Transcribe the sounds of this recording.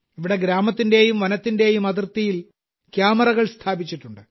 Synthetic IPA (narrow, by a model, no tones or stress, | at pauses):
iʋiɽe̞ɡɾaːmɐt̪ːinde̞jumʋɐnɐt̪ːinde̞ːjumɐðirt̪ːijil | kjaːmɐrɐɣɐɭst̪ʰaːbit͡ɕːiʈːuɳɖɨ